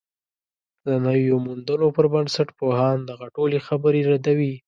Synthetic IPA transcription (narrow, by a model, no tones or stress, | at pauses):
d̪ənəwjomund̪ənopəɾbənsaʈpohɑnd̪aɣaʈolexabəɾeɾad̪awi